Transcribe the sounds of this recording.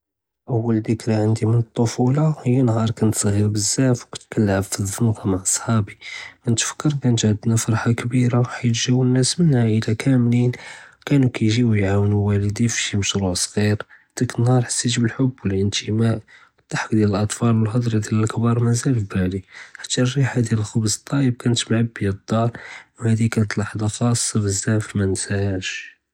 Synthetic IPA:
ʔəwːəld̪əkɾaʕənd̪imənət̪ˤːofulɑhəjːanɦɑɾˤkænt̪sɣiɾbəzːæfwkæ̥t̪kælːʕffizˤənq̪ɑmaʕʔɑ̥sˤħɑbikənt̪ə̥fə̥kːəɾkænt̪ʕd̪næfɑɾˤħakbiɾaħajt̪ʒæwːənːæsmənhaʔəlækʰæmlinkænukæjʒiwjʕawənwæləd̪ifiʃiməʃɾuʕsˤɣiɾ | d̪̥ækənhɑɾˤħasːit̪bəlħobːwəlʔənt̪ʰəmæʔ | t̪ːˤaħkd̪jæləlʔɑt̪ˤfɑlwəlhɑd̪ˤɾid̪jæləlʔkbɑɾˤmæzælfbæliħḁt̪ːærːiħad̪jæləlxɑbzət̪ˤːɑjəb̚kænət̪mʕabːiəd̪ˤːɑɾwhæd̪ikænt̪lɑħd̪ɑxɑsˤːɑbəzːæʕfmænsæhæʃ

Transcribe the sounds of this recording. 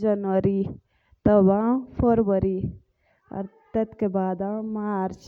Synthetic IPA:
d͡ʒɐnʋəɾi | t̪əbãpʰoɾbəɾi | ɔ̰ɾ | t̪ɐt̪kebaːd̪ãmaɾt͡ʃ

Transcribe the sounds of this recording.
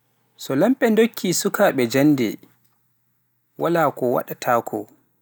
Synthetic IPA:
sɔlamɓɛndokʰːisukaːɓɛd͡ʒanːdɛ̰ | walaːkɔwa̰ɗatʰaːkʰɔ

